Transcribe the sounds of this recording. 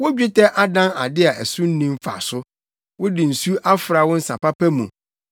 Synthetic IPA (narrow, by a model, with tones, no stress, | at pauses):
wʊ˦d͡ʑᶣɪ˦tʰɛ˦ʔa˨dã˦na˨dɪ˦a˨æ˨sʊ̃˦n̩˦nĩ˦m˦fa̰˨sʊ˦ | wʊ˦dɪ˨n̩˨su˦ʔa˦fɾa˨wʊ̃˦n̩˦sã˨pa˦pʰæ˦mũ˨